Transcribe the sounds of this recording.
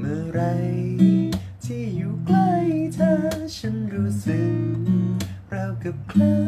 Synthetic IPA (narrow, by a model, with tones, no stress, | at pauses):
mɯː˧˩ɾa˧j | t̪ʰiː˥˩juː˨˩kla˧˩jt̪ʰaː˧˩t͡ɕʰa˦˥nɾuː˦˥sɯ˨˩k̚ | ɾa˧wka˨˩p̚kʰlɤː˧